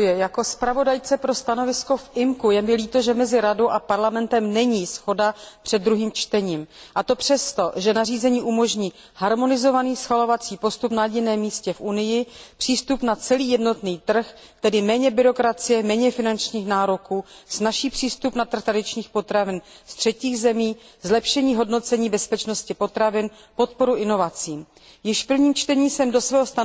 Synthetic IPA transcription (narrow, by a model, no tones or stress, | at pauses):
jɪjako̞spɾavo̞dajt͡sɛpɾo̞st̪ano̞vɪsko̞fʔɪmkujɛmɪliːt̪o̞ʒɛmɛzɪɾado̞wʔapaɾlamɛnt̪ɛmnɛɲiːsxo̞dapr̝̥ɛddːɾuɦiːmt͡ʃt̪ɛɲiːmʔat̪o̞pr̝̥ɛst̪o̞ʒɛnariːzɛɲiːʔumo̞ʒɲiː | haɾmo̞nɪzo̞vaniːsxalovat͡siːpo̞st̪upnaɟɪnɛːmːiːscɛfʔunɪjɪpr̥iːst̪upnat͡sɛliːjɛdno̞t̪niːt̪r̩x | t̪ɛdɪmɛːɲɛbɪɾo̞kɾat͡sɪjɛmɛːɲɛfɪnant͡ʃɲiːxnaːɾokuːz̥naʃiːpr̝̥iːst̪upnat̪r̩xt̪ɾadɪt͡ʃɲiːxpo̞t̪ɾavɪn | st̪r̝̥ɛciːɣzɛmiːzlɛpʃɛɲiːɦo̞dno̞t͡sɛɲiːbɛspɛt͡ʃno̞scɪpo̞t̪ɾavɪn | po̞t̪̚po̞ɾuʔɪno̞vat͡siːm | jɪʃfpl̩vɲiːmt͡ʃt̪ɛɲiːsɛmdo̞svɛːɦost̪a